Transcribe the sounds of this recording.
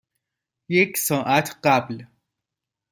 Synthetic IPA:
jeksɔːʔat̪ʰqabl

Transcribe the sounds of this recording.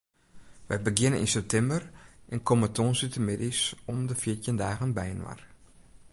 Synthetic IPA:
ʋəjbəɡɪnənḭnsɛp̚tʰɛmbərʔɛnkomətʰoːnsytəmɪdisɔmdəfitjəndaːɣənbɛjənwa̰r

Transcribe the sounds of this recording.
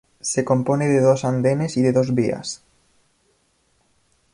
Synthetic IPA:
seko̞mponeðeðosand̪enesiðeðozβia̰s

